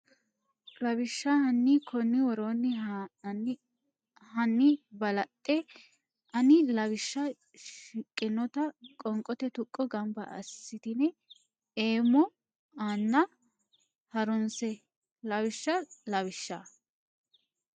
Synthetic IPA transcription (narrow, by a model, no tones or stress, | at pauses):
lɐβɪʃːɐhɐnːikʰɔnːɪwɔɾoːnːɪ | hɐnːɪbɐlɐt̪ʼːɛ | ɐnɪlɐβɪʃːɐ | ʃɪkʼːɪnːɔt̪ɐkʼɔŋkʼɔt̪ɛt̪ʊkʼːɔɡɐmbɐ̰ɐ̰sːɪt̪ɪnɛ | eːmɔ | aːnːɐ | hɐɾɔnsɛ | lɐβɪʃːɐlɐβɪʃːaː